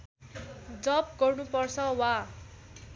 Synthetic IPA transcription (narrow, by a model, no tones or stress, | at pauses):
d͡zʌp̚ɡʌrnupʌrt͡sʰʌwa